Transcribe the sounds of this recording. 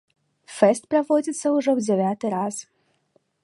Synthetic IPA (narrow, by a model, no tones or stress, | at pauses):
fɛst̪pɾɐʋɔd͡zʲit̪sːɐʊʐɛwd͡zʲeʋʲat̪ɨɾaz